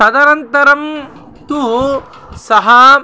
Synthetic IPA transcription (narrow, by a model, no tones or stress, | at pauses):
ɐd̪ɐɾɐnt̪ɐɾɐm | t̪u | sɐɦɐ